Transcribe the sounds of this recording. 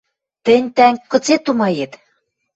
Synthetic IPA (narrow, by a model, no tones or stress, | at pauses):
t̪ɘ̆nʲt̪æŋkːɤ̆t͡set̪umɑjet̪